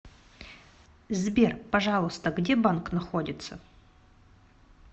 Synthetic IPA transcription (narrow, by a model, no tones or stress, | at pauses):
zbʲerpɐʐɑlˠəst̪əɡdʲebanknɐxodʲɪt̪sə